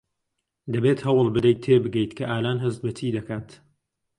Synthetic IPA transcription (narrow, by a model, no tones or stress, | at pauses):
d̪ɐbeːt̪hɐwɨlˠbɨd̪ɐjt̪ʰːeːbɨɡɛjt̪kʰɐʔaːlaːnɦɐzt̪bɐt̪ʰiːd̪ɐkaːt̪